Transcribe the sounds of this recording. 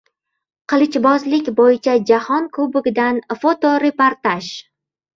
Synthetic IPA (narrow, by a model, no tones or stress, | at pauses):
qʰɨlˠɪt͡ʃbɒzlɪkʲbojɪt͡ʃʰad͡ʒahɒnkʰɵbɪɡʲɪd̪anfot̪oɾe̞poɾt̪aʃ